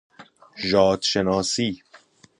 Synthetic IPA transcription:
ʒɒːd̪ʃenɒːsiː

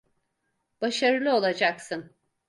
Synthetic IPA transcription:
b̥aʃaɾɯlˠɯo̞lˠad͡ʒaksɯn

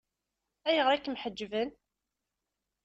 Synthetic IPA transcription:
æjəʁɾækːmħəd͡ʒːvən

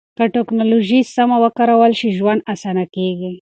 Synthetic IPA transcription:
kaʈeknoloʒisamawəkaɾawəlʃiʒwand̪̚asanakeɡi

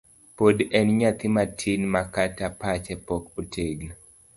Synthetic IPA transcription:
podɛnɲat̪ɪmatʰinmakatapat͡ʃɛpɔkotʰeɡna

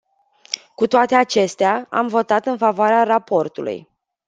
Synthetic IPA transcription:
kut̪oat̪e̞at͡ʃe̞st̪eaa̰mvo̞t̪at̪ɨnfavoaɾearapo̞rt̪ulṵj

